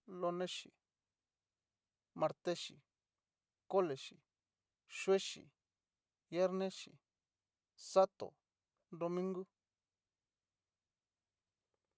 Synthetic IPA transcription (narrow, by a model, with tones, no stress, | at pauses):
lo˧nẽ˦ʃḭ˨ | mã˧ɾt̪e˦ʃi˨ | ko˦le˨ʃḭ˨ | ʃwe˦ʃḭ˨ | je˦ɾnẽ˦ʃḭ˨ | sa˦t̪o̰˨ | d̪o˧mĩ˦ŋɡu˦